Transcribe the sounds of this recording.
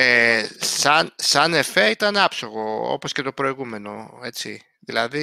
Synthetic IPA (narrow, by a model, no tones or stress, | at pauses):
esɐnsɐne̞feit̪ɐnɐpsoɣo̞o̰po̞sce̞t̪o̞pɾo̞iɣume̞no̞e̞t͡si | ðilɐði